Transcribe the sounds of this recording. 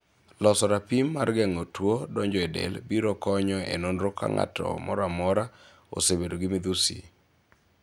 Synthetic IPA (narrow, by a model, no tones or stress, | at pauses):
lɔsɔɾapimːarɡɛŋotwodɔɲd͡ʒɔɛdɛ̰lbiɾɔkɔɲɔḛnonɾokʰa̰ŋa̰tʰɔ̰mɔɾamɔɾa | o̰sebedoɡɪmɪd̪usḭ